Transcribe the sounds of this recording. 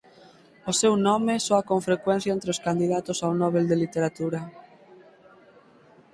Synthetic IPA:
ʊsewnɔmɪsoakoɱfɾekwẽn̟θjaent̪ɾeoskand̪iðat̪ʊsawnɔβeld̪elit̪eɾat̪uɾɐ

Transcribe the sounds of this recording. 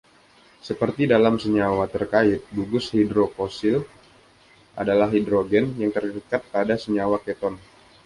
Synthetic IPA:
səpərt̪idalamsəɲawat̪ərkaɪt̪̚buɡʊshidɾofosɪl | ʔa̰dalaɦidɾoɡɛnjaŋt̪ərkəkat̪̚padasəɲawakɛt̪ɔn

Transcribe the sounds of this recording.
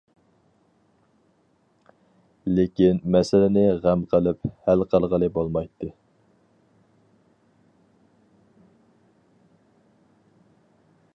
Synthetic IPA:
lɪkʲinmɛsɪlɪnɪʁæmqʰəlˠɪphælqʰəlˠʁəlˠɨbolˠmɑjt̪ːɨ

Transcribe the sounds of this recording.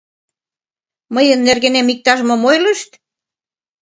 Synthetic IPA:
məjə̆nːerɣĕnemik̚t̪ɑʒmɤ̆mojlə̆ʃt̪

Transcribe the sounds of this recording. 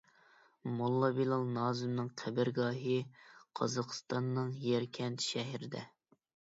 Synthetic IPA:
molˠːɑbilˠɑlˠnɑːzɨmnɨŋqʰæbɪɾɡɑːɦɨqʰɑ̰zɑqʰə̥st̪ɑnːɨŋjɛɾkʲʰɛnt̪ʰʃɛɦiɾɪd̪ɛ̰

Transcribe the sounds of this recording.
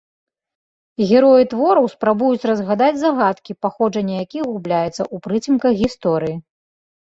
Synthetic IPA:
ɣʲɛɾɔjit̪vɔɾɐwspɾabujut͡sʲrɐzɣad̪ad͡zʲzaɣat̪kʲipaxɔʐɐnʲːɐjakʲiɣublʲajɛt̪sɐ̰ʔupɾɨt͡sʲimkɐɣɣʲist̪ɔɾɨji

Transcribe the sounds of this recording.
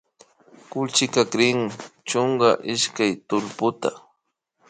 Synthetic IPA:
kʊlt͡ʃɪkakɾɪŋɪt͡ʃoɴɢɑʔɪʃkajt̪ʊlpʊt̪a̰

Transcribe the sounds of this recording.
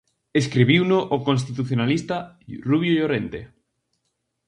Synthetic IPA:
eskɾiβiwnʊʔokõns̬t̪it̪uθjonalist̪a | ruβjojoɾent̪e

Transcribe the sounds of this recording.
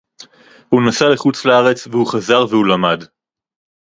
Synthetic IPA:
hunasaleχut͡slaaʁe̞t͡svehuχazaʁvehulamad

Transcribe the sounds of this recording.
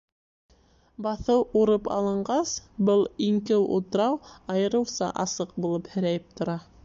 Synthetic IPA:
bɑθɤwuɾɤpɑ̰lˠɤ̆ɴɢɑsbɤlˠiŋkɘwṵt̪ɤ̆ɾɑwɑjɤ̆ɾɤ̆wsɑ̰ʔɑsɤq̚bulˠɤphɘ̆ɾæjɘp̚t̪ŏɾɑ

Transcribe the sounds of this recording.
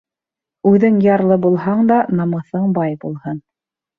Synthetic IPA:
ʉðɘŋjɑɾlˠɤbulˠɦɑɴd̪ɑnɑmɤ̆θɤɴbɑjbulˠhɤn

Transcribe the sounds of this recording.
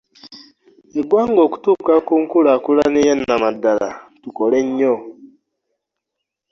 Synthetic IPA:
eɡwaːŋɡoku̥tukakuŋkuɾakulanijenamadala̰tukoleɲːo

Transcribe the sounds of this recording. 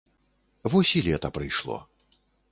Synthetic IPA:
vɔsʲilʲɛt̪ɐpɾɨjʂlˠɔ̰

